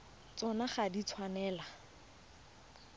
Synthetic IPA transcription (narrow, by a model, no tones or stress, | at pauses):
t͡sɔnaχadit͡sʰwanɛːla